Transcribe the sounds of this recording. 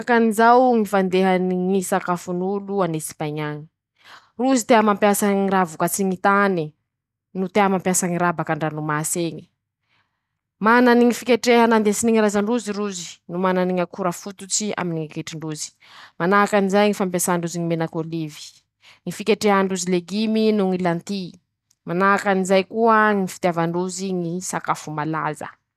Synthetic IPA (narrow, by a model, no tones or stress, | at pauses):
kanizawŋifand̪eɦaniŋisakafunuluanesi̥pajɲaɲi̥ | ruzit̪eamampjasaɲiɾavukat͡siŋit̪ani | nut̪eamampjasaŋiɾabakaɳɖ͡ʐanumaseɲi̥ | mananiŋifikʲeʈ͡ʂeɦanand̪esiniɲiɾazaɳɖ͡ʐuziɾuzi̥numananiɲakuɾəfut̪ut͡sia̰miniŋikeʈ͡ʂiɳɖ͡ʐuzi̥ | manaakanizajŋifampesaɳɖ͡ʐuziɲimenakolivi̥ | ŋifikeʈ͡ʂeɦaɳɖ͡ʐuzileɡiminuŋilant̪i | manaakanizajkuəŋifi̥t̪javaɳɖ͡ʐuziŋisakafumala̰zə̰